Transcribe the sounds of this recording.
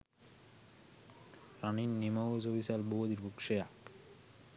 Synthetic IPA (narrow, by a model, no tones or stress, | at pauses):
ɾaninːimaod͡ʑobisalbood̪iɾbukʃejak